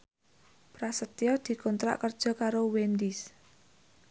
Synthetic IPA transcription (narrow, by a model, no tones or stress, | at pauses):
pɾasət̪jɔd̪̥i̤kɔnt̪ɾa̰ʔkərd̥ʒ̥ɔ̤kaɾowend̪is